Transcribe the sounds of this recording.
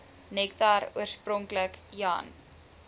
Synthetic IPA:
nɛk̚taɾṵərsprɔŋkləkjɑ̰n

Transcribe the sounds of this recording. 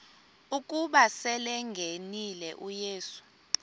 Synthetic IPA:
uk̬ʼuɓasɛlɛŋɡʱenilɛʔujeːsu̥

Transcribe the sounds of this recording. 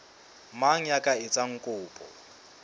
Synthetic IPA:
maŋ̩jakʼaɪt͡sʼaŋ̩kʼʊːpʼɔ̰

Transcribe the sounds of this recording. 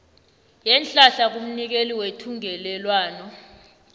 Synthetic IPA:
jɛnt͡ɬʼaɬak̬um̩nik̬eliwetʰuŋɛlɛlwaːnɔ

